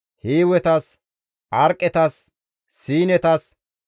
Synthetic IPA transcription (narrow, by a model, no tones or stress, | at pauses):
hiːwɛt̪ɐs | ʔɐɾkʼːɛt̪ɐsː | iːnɛt̪ɐs